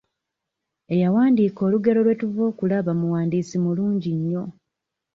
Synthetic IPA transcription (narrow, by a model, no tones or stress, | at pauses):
e̞jawaːndiːko̞ːluɡe̞lo̞lwe̞tuvo̞ːkulaβamuwaːndiːsimuluːɲɟiɲːo̞